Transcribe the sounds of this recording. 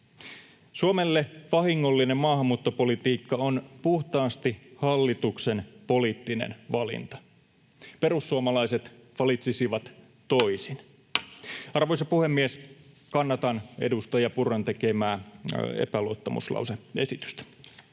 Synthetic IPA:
suomelːeʋɑhiŋːolːinemmɑːhɑmːuːt̪ːopolit̪iːkːɑonpuht̪ɑːst̪ihɑlːit̪uksenpo̞liːt̪ːinḛnʋɑlḭnt̪ɑ̥ | peɾusːuomɑlɑiset̪ʋɑlit̪sisiʋɑt̪ | toisin | ɑrʋojsɑpuhemːies | kɑnːɑt̪ɑnḛdust̪ɑjɑpurːɑnt̪ekemæːḛpæluot̪ːɑmṵslɑ̰wseesit̪y̥st̪æ̥

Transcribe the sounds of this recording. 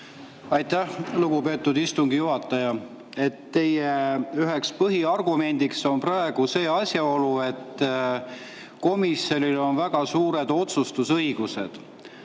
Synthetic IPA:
ɑjt̪æhluɡ̥upe̞ːt̪ːud̪ist̪uŋɡ̥ijuɦɑt̪ːˑɑjɑ | e̞t̪ːe̞jeyɦekspɤɦiɑrɡ̥ume̞nʲd̪̥ikso̞nprɑe̞ɡ̥use̞ːɑsʲjɑo̞lue̞t̪ː | ko̞misjo̞nʲilo̞nvæɡ̥ɑsuːɾe̞d̪̥o̞t̪sust̪usɤ̞jɡ̥use̞̰d̪̥

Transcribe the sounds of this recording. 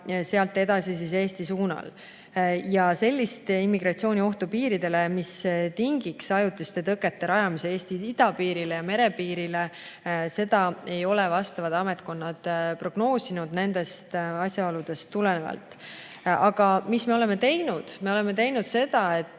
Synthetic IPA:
se̞ɑlt̪ːˑe̞d̪̥ɑsis̬is̬e̞ːst̪isuːnɑ̰l | jɑse̞lʲːist̪imːiɡrɑt̪sio̞ːnʲio̞ht̪upiːɾid̪e̞le̞mist̪iŋɡiksɑjut̪ːˑust̪e̞t̪ɤkːˑe̞t̪ːe̞ɾɑjɑmisee̞ːst̪iid̪̥ɑpiːɾile̞jɑme̞ɾe̞piːɾile̞ | se̞d̪̥ɑe̞jo̞levɑst̪ɑvɑd̪ɑme̞t̪ko̞nːɑd̪̥pro̞ɡ̥no̞ːsinud̪̥ne̞nd̪e̞st̪ɑsʲjɑolud̪̥e̞st̪ːulene̞vɑ̰lt̪ːˑ | ɑɡ̥ɑmisme̞o̞leme̞t̪e̞jnud̪̥me̞o̞le̞me̞t̪e̞jnud̪̥se̞d̪̥ɑe̞t̪ːˑ

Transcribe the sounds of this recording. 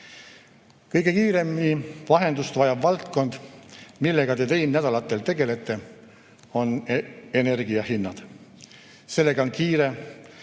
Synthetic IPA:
kɤjɡe̞kiːɾe̞mːivɑɦe̞nd̪ust̪vɑjɑbvɑlt̪ko̞nd̪̥milːe̞ɡ̥ɑt̪e̞t̪e̞jnnæd̪̥ɑlɑt̪ːˑe̞lt̪e̞ɡe̞le̞t̪ːˑe̞ | o̞ne̞ne̞rɡ̥iɑhinːɑd̪̥ | se̞lːe̞ɡ̥ɑonkiːɾe̞

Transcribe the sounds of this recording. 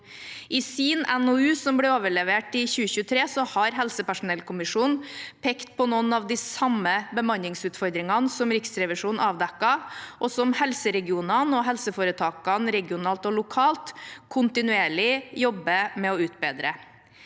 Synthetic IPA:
ʔɪsiːnɛnɔʉːsɔmblɛoːʋəɭɛʋeːʈɪçʉːəçʉːət̪ʰɾeːsɔhɑɾɦɛlsəpæʂʊnɛlkʰʊmɪʂuːnpʰeːkt̪̚pʰɔnɔnɑʋd̪ɪsɑmːəbəmɑnɪŋsʉːt̪fɔɾd̪ɾɪŋɑnsɔmɾɪksɾɛʋɪʂuːnɑːʋd̪ɛkːɑʔɔsɔmhɛlsəɾɛɡɪuːnɑnɔɦɛlsəfoːɾət̪ʰɑːkɑnɾɛɡɪʊnɑːlt̪ɔlʊkʰɑːlt̪kʰʊnt̪ɪnʉeːɭɪjɔbːəmɛɔʉːt̪̚beːd̪ɾə̰

